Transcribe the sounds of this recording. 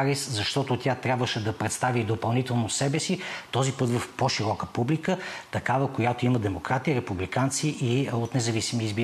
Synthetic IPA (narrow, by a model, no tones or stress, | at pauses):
ɾiszɐʃt̪ɔt̪ot̪ʲat̪ɾʲabvəʃɛd̪ɐpɾɛt̪st̪avid̪opɐlˠnit̪ɛlˠnosɛbɛsit̪ɔzipɤt̪vɐfpoʃiɾɔkəpublikət̪ɐkavəkojat̪oiməd̪ɛmokɾat̪iɾɛpublikant̪siʔiot̪nɛzɐvisimiizbi